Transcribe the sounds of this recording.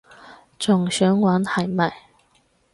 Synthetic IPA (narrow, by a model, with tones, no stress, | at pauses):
t͡sʊ˨˩ŋɕœː˨˥ŋwaː˨˥nhɐ˨˩jmɐ˨˩j